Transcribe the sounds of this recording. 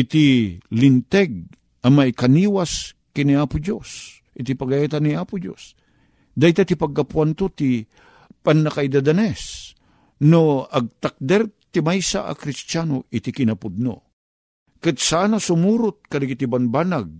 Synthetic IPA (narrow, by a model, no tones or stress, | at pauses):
ʔɪt̪ilint̪ɛɡ̚ | ɐmajkɐniːwaskɪniaːpʊd͡ʒos | ʔɪt̪ipɐɡajat̪anːiaːpʊd͡ʒo̰s | d̪ajt̪at̪ipɐɡ̚kapwant̪ot̪i | panːakaid̪ad̪anɛs | noɐɡ̚t̪ak̚d̪ɛɾt̪imajsa̰ʔa̰kɾist͡ʃanoɪt̪ikɪnɐpʊd̪̚no̰ | kɨt̪̚saːnasʊmuːɾʊt̪̚kalɪɡɪt̪ibanbanaɡ̚